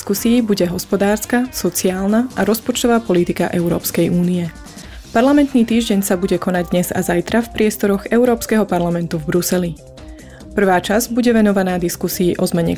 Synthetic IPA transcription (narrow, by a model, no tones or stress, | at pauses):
skusiːbuɟɛɦɔspɔd̪aːɾskasɔt͡siaːlnaʔaɾɔspɔt͡ʃt̪ɔʋaːpɔlit̪ika̰ʔɛʊɾɔ̰ːpskɛjʔuːniɛ | paɾlamɛnt̪niːt̪iːʒɟɛɲsabuɟɛkɔnaɟd̪ɲɛza̰zajt̪ɾafpɾɪɛst̪ɔɾɔɣɛʊɾɔːpskɛɦɔpaɾlamɛnt̪uvbɾusɛli | pr̩ʋaːt͡ʃazbuɟɛʋɛnɔʋanaːd̪iskusiːʔɔzmɛɲɛ̰